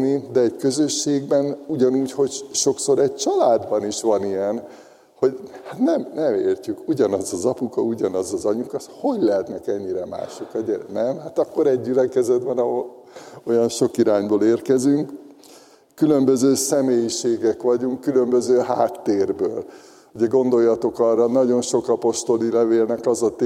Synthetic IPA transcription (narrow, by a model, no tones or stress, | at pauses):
nid̪ɛɛɟkø̞zøʃːeːɡbɛnuɟɒnuːcho̞cʃo̞kso̞ɾɛɟ̚t͡ʃɒlaːd̪bɒniʃʋɒnijɛn | ho̞ɟhat̪nɛmnɛmeːrcykuɟɒnɒzɒzɒpukɒuɟɒnɒzɒzɒɲukɒt̪ho̞ɟlɛɦɛt̪nɛkɛɲːiɾɛma̰ːʃokɒɟɛnɛmɦat̪ɒkːo̞ɾɛɟːylɛkɛzɛd̪bɛnɒɦol | o̞jɒnʃo̞kiɾaːɲboːleːrkɛzyŋk | kːylømbøzøːsɛmeːjiʃeːɡɛkʋɒɟuŋkːylø̞mbøzøːɦaːt̪ːeːrbø̰ːl | huɟɛɡo̞nd̪o̞jːɒt̪o̞kɒrːɒnɒɟo̞nʃo̞kɒpo̞ʃt̪o̞lilɛveːlnɛkɒzɒt̪